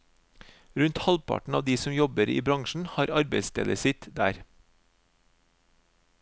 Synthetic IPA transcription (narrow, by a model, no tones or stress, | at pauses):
ɾʉnt̪hɑlpʰɑ̰ʈɳ̩ɑːʋd̪iːsɔmjɔbəɾḭːbɾɑŋʃɳ̩hɑːɾɑɾbeɪst̪ʰɛ̰ːləsɪt̪d̪æ̰ːɾ